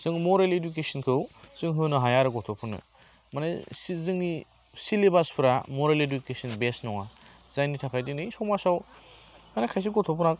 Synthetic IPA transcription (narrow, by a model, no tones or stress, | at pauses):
z̥ɯŋmɔɾaleduk̬esinkʰɯwz̥ɯŋɦɯnɯɦajaɾɯɡɔtʰɔpʰɯnɯ̰ | manajszɯŋni | silebaspʰɯɾamɔɾaledukesɯnbesnɔŋa | zajnitʰakʰajdinɯjsɔmasawmanakʰajs̬iɡɔtʰɔpʰɯɾnak